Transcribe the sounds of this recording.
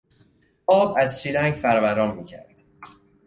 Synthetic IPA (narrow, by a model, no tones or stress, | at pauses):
ʔɒːbæzʃid̪æŋɟfæɾɒːvæɾɒːmmiːcʰæ̰ɾd̪̥